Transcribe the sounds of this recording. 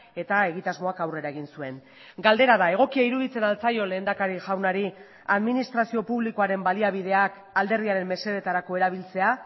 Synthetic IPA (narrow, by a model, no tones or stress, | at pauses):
e̞t̪ae̞ɣit̪azmo̞akawre̞ɾaeɣinsue̞n | ɡald̪e̞ɾaðae̞ɣ̞o̞kiaiɾuðit͡se̞nalt͡sajo̞le̞ːnd̪akaɾiʝawnaɾi | aðminist̪ɾasio̞puβliko̞aɾe̞mbaliaβ̞ið̞e̞ak | ald̪e̞riaɾe̞mme̞se̞ð̞e̞t̪aɾako̞eɾaβ̞ilt͡se̞a